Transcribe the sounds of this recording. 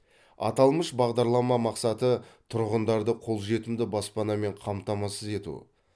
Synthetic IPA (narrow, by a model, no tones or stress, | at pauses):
ɑ̰t̪ɑlˠməʃbɑʁd̪ɑɾlˠɑmɑmɑqsɑt̪ət̪ʰʊɾʁənd̪ɑɾd̪əqʰo̞lˠʒe̞t̪ɪmd̪ɪbɑspɑnɑme̞ɴqʰɑmt̪ɑmɑsəze̞t̪ṵ